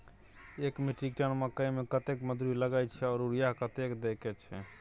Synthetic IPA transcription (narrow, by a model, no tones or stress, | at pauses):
ekmiʈɾik̚ʈənməkəjmekət̪ekməd̪uɾiləɡajt͡ʃʰɛɔːɾuɾijaɦkət̪ekd̪ekɛt͡ʃʰɛ̰